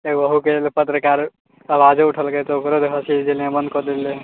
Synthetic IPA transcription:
eɡʋəɦukelepət̪ɾəkaɾ | əbad͡ʒeuʈʰəlket̪ɔokɾod̪ɦʰəsid͡ʒeljãbənd̪kɔd̪ele

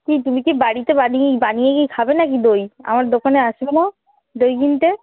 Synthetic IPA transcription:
kit̪umikebaɽit̪ebaniebanijekikʰabenakid̪oja̰maɾd̪okʰaneaʃbeno | d̪ojɡint̪e

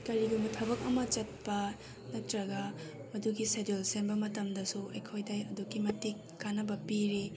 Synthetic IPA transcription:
kɐɾiɡumɐtʰɐbɐk̚ɐmɐt͡ʃɐt̚pɐ | nɐk̚tɾɐɡɐ | mɐduɡisedilsenbɐmɐtɐmdɐsuʔɐjkʰojdɐjɐduɡimɐtikːanɐbɐpiɾi

